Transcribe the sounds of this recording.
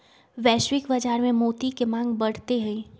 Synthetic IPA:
ʋɛːʃwɪkbɐd͡ʒaːɾmẽmoːt̪ikemãːŋɡbɐɽ̤t̪eɦɛ̃i

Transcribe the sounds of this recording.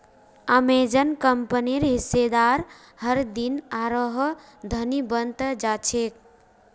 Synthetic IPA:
əmed͡ʒənkəmpəniɾɦised̪aɾ | həɾd̪inaɾəɦ | d̪ʱənibənt̪əd͡ʒat͡ʃʰek̚

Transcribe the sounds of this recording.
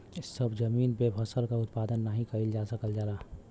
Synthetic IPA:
ɪsəbd͡ʒəmiːnpebʱəsəlkaʊt̪paːd̪ənːəɦĩkəild͡ʒaːsəkəld͡ʒaːɾaː

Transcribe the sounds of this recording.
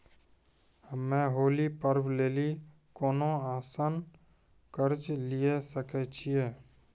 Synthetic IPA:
mːẽɦoːlipəɾbleːli | koːnõaːsən | kəɾd͡ʒliesəkɛt͡ʃʰieː

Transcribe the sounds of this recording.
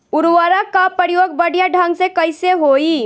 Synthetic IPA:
ʊɾʋəɾəkːapəɾjoːɡ̚bəɽ̤ʱjaɖʱə̃ŋɡsekəɪseɦoːi

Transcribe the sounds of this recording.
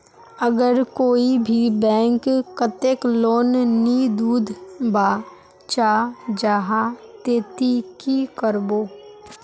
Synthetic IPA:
əɡəɾkoːibʱibɛ̃ːŋkkːət̪ekloːnːid̪uːd̪ʱbaː | t͡ʃaːd͡ʒaɦãt̪eːt̪ikikəɾboː

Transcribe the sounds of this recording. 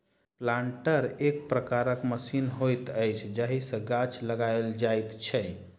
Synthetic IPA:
plaɳʈəɾekpɾəkaɾəkməsinɦojt̪əjt͡ʃʰd͡ʒaɦisə̃ɡat͡ʃʰləɡaeld͡ʒajt̪t͡ʃʰɛ

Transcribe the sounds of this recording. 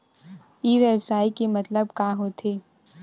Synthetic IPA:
iːʋeːbsaːikemɐt̪ləbkaːɦot̪ʰeː

